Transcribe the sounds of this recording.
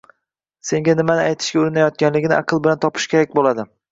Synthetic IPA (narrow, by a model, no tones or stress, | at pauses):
se̞ŋʲanɪmanɪajt̪ʰɪ̥ʃɡʲaʊɾɪnajɒt̪̚ɡʲanlɪɡʲnɪ̰ʔa̰qʰɨlˠbɪlant̪ʰɒpʰɪ̥ʃkʲe̞ɾak̚ʲbolad̪ɪ